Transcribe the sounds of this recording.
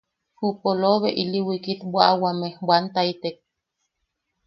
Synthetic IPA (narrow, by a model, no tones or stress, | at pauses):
hupoloβeʔiliwikit̪bʷaawamehbwant̪ait̪ek̚